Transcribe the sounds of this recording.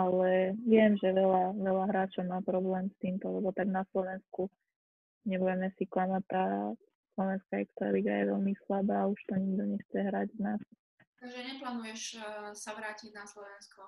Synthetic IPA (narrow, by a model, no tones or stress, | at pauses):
alɛʋɪɛmʒɛʋɛlaʋɛlaɦɾaːt͡ʃɔʊmaːpɾɔblɛːmst̪iːmt̪ɔlɛbɔt̪aɡnaslɔʋɛnsku | ɲɛbuɟɛmɛsiklamat̚t̪aː | slɔʋɛnskaɛkst̪ɾa̰liɡajɛʋɛlmislabaːuʃt̪ɔɲiɡd̪ɔɲɛxt͡sɛɦɾaɟvnas | t̪aɡʒɛɲɛplaːnujɛʃsaʋɾaːciɟnaslɔʋɛnskɔ